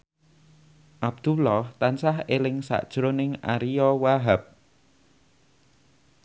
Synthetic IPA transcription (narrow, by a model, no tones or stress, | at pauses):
ʔab̚d̪̥ulɔht̪ansahelɪŋsa̰ʔd̥ʒ̥ɾonɪŋa̰ɾijɔwaɦap̚